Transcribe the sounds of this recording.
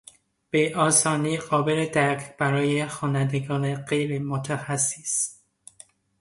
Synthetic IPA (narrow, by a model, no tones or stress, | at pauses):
b̥eʔɒːsɒːniːɢɒːbeled̪æɾkʰb̥æɾɒːjexɒːnænd̪eɡɒːneɢejɾemot̪ʰæxæsːis